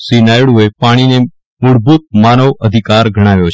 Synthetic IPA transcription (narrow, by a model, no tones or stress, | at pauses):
sinaːjɽuepaːɽ̃ine | mʊɽbʱuːt̪̚maːnəʋəd̪ʱikaːɾɡʱəɽ̃aːʋjot͡ʃʰ